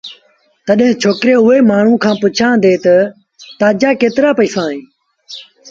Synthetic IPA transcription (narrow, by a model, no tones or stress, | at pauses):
t̪əɗɦɪ̃ːt͡ʃʰoːkɾeːʊɦeːmaːɳ̤ũːkʰãːpʊt͡ʃʰãːd̪eːt̪ə | t̪aːd͡ʒaːkeːt̪ɪɾaːpəiːsãːɦẽː